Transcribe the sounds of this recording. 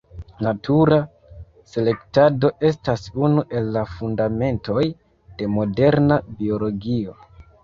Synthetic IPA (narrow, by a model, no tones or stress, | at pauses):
natʰuɾa | se̞le̞ktado̞ʔe̞s̬tasunuʔe̞lːafundame̞nto̞j | d̥e̞mo̞de̞ɾnabio̞lo̞ɡio̞